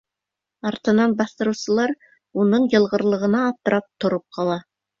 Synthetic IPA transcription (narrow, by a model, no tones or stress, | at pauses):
ɑɾt̪ɤ̆nɑnbɑθt̪ɤ̆ɾɤwsɤ̆lˠɑɾ | unɤɴjɤ̆lˠʁɤ̆ɾlˠɤ̆ʁɤ̆nɑːp̚t̪ɤ̆ɾʔɑp̚t̪ŏɾɤp̚qʰɑlˠɑ